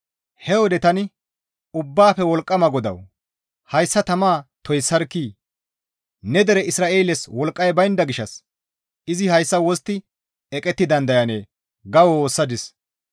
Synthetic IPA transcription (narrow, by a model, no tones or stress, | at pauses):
hɛwɔd̪ɛt̪ɐnɪ | ʊbːaːfɛwɔlkʼːɐmɐɡɔd̪ɐ̰w | hɐjsːɐt̪ɐmaːt̪ɔjsːɐɾkːiː | nɛd̪ɛɾɛɪsɾaːʔe̞ːlɛswɔlkʼːɐjbɐjnd̪ɐɡɪʃɐs | ʔɪzɪhɐjsːɐwɔst̪ːɪ | ɛkʼɛt̪ːɪd̪ɐnd̪ɐjɐneː | ɡɐwwoːsːɐd̪ɪs